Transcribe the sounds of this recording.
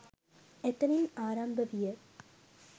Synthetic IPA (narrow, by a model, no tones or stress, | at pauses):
ɛt̪ːɐnɪnaːɾambɐʋɪjɐ